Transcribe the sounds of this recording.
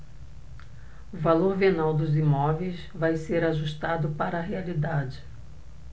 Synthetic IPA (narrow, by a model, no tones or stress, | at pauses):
ʊvaloɾvenawd̪ʊzimɔvejs | vajseɾaʒuʃt̪ad̪ʊpaɾɐːɦealid̪ad͡ʒɪ